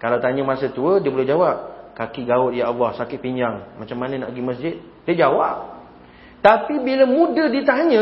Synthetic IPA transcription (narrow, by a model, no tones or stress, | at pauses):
kalawt̪aɲə̃masət̪uədiəbolɛhd͡ʒawap̚kakiɡaʊt̪̚jaʔalːɔhsakɪt̪̚piɲd͡ʒaŋmat͡ʃamːanə̃na̰ʔɡiməs̬d͡ʒɪt̪̚ | diəd͡ʒawap̚ | t̪apibiləmũdədit̪aɲə̃